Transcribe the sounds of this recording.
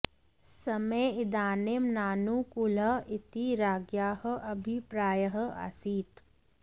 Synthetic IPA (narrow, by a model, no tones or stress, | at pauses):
sɐmeɪd̪aːnemnaːnukulɐɪt̪iɾaːɡjaːhə̆ʔɐbʱipɾaːjəɦa̰siːt̪